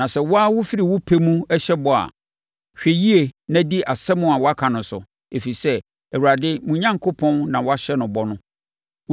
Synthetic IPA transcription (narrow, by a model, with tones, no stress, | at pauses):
nã˨sɛ˨wɔ˦a˦wʊ˦fi˦ɾi˨wʊ˦pʰe˦mũ˦ɛ˦ɕɛ˦bɔ˨a̰˨ | ɕᶣɛ˨ji˦e˨nã˦di˦ʔa˨sɛ˦mʊ̃˦a˨wɔ˦a˦kʰã˨nʊ̃˨sʊ̰˨ | e˨fi˨sɛ˦ | ɛ˨wu˨ɾa˨dɪ˦mũ˦ɲã˦ŋkʰo˦pʰɔ̃˦nnã˨wɔ˦a˦ɕɛ˦nʊ̃˨bɔ˦nʊ̃˦